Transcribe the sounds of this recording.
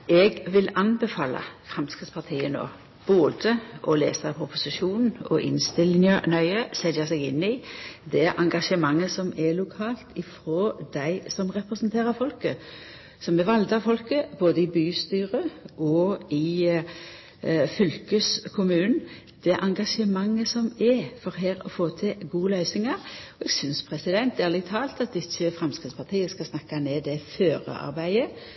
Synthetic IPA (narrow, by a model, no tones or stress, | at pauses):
ʔɛɡʋɪlɑnbɛfɑːlɑ̰fʁɛmskʁɪt̪spɑt̪ʰiːəno̰ː | b̥oːd̪əʔɔlḛːsɑpʰʊpʊsɪʃuːnn̩ɔ̰ʔɪ̰nst̪ɪlɪŋɑnœʏəsɛd̪ɑsɛɡɪnːɪd̪ɛʔɑŋɡɑʂəmɑŋːəsɔmɛlʊkʰɑːlt̪ɪfɾoːd̪æɪsɔmʁɛpʁɛsnt̪ʰeːʁəfɔlkə | sɔmɛʋɑld̪ɑfɔlkəboːd̪əɪbyːst̪yːʁəʔɔɪ | fʏlkəskʰʊmʉːnn̩ | d̪̥ɛʔɑŋɡɑʂəmɑŋːəsɔmɛfɔɾɦeːɾɔ̰foːt̪ʰɪɡuːəlœʏsɪŋɑɾɔɛɡsʏnspʰɾɛsɪd̪ɛnt̪̚d̪ɛæʁlɪt̪ʰːɑːlt̪ɑt̪̚d̪ɪsːəfʁɛmskɾɪt̪spʰɑt̪ʰiːəskɑsnɑkːɑneːd̪ɛføːɾə̰ɑ̰ɾbæɪə